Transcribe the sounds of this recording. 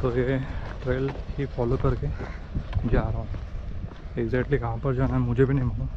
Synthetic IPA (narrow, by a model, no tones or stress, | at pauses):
t̪ojeʈɾeːlkifɔːlokɐɾke | d͡ʒaːɾaɦũ | eɡzɛːk̚ʈlikɐɦãpɐɾd͡ʒaːnaɛmʊd͡ʒʱebʱinɐɦĩmana